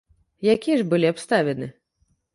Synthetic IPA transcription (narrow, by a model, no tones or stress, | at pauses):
jakʲiɛʐbɨlʲiapst̪avʲɛnɨ